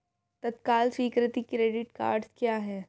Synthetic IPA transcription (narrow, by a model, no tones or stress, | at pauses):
t̪ɐt̪kaːlsiːkɾɪt̪ikɾeːɖɪʈka̰ːɾɖskjaːɦɛː